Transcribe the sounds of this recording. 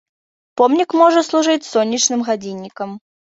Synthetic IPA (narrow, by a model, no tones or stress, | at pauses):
pɔmnʲikmɔʐɐslˠuʐɨt͡sʲsɔnʲːit͡ʂnɨmɣad͡zʲinʲːikɐm